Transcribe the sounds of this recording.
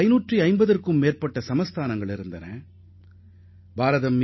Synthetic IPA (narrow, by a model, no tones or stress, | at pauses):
ɪnuːʈriɐɪmbɐðɐrkɯmːeːrpɐʈːɐsɐmɐst̪aːnɐŋɡɐɭɪɾɯnd̪ɐnɐ̰̃ː | bʱaːɾɐðɐm